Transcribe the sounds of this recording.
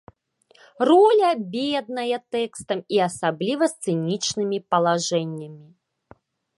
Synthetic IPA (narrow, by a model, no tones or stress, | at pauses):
rɔlʲɐbʲed̪̚nɐjɐt̪ɛkst̪ɐmiɐsablʲivɐst̪sɨnʲit͡ʂnɨmʲipɐlˠaʐɛnʲːɐmʲi